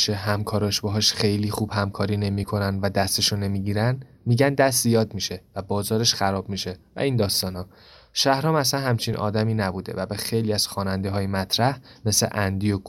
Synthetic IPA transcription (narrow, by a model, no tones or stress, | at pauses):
ʃeɦæmkʰɒːɾɒːʃbɒɦɒʃxe̞jliːxuːb̥hæmkʰɒːɾiːne̞miːkʰo̞nænvæd̪æst̪eʃunːe̞miːɟiːɾæn | miːɟænd̪æst̪zijɒːd̪miʃe̞væbɒːzɒːɾe̞ʃxæɾɒːb̥miːʃe̞væ̰iːnd̪ɒːst̪ɒːnhɒː | ʃæhɾɒːmæsænhæmt͡ʃʰinʔɒ̰ːd̪æmiːnæbuːd̪e̞̰væbexe̞jliːæz̥xɒːnænd̪eɦɒːjemæt̪ʰɾæhme̞slḛʔænd̪ijoɡ